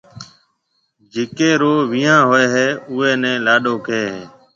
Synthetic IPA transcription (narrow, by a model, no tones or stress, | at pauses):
d͡ʒeːkeːɾoːʋijãːɦoːeːɦeːʊːeːnɛ̃ːlaːɗoːkʰeːɦeː